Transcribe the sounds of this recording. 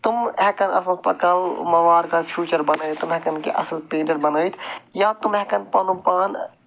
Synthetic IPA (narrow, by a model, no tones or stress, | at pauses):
t̪umɦɛkɐnɐ̰sʰɐpɐ̰kɐlmɐʋaːɾkapʰjuːt͡ʃɐɾbɐnəːt̪t̪umɦɛkɐnkḛʔɐ̰slpẽːnɐɾbɐnəːjt̪ʰjãːt̪umɦɛkɐnpɐnupaːn